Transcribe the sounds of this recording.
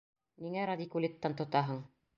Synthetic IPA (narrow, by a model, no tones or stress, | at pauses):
niŋæɾɐd̪ʲikulʲit̪ːɑnt̪ŏt̪ɑɦɤɴ